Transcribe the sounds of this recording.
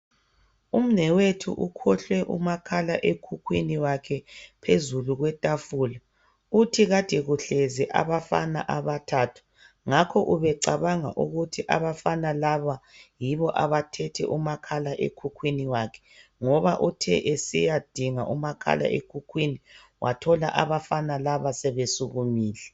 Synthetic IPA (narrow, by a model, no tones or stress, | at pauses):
um̩nɛwetʰṵʔukʰɔɬwɛʔṵmakʰalaʔekʰukʰwiniwakʰɛpʰezuluɣwɛtʼafuːla | utʰiɣatɛɣuɬɛzɛʔa̰βafa̰na̰ʔaβatʰatʰu̥ | ŋakʰɔʔuβɛǀaβaŋa̰ʔuɣutʰiʔa̰βafanalaβajiβɔʔaβatʰɛtʰɛ̰ʔumakʰalaʔḛkʰukʰwiniwakʰɛ̥ŋɔβaʔutʰɛ̰ʔesijad̥ʱiŋaʔumakʰa̰lʔa̰ʔekʰukʰwini | wʔa̰tʰɔla̰ʔaβafanalaβasɛβesuɣumiːlɛ